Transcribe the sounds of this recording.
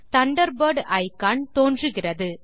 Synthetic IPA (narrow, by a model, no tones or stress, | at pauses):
t̪ɐɳɖɐɾbɐɾɖɐɪkːaːɳt̪oːndrɯɣɪrɐðɯ